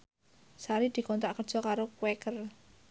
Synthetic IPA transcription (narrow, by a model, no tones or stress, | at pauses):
saɾid̪̥i̤kɔnt̪aʔkərd̥ʒ̥ɔ̤kaɾokwɛkər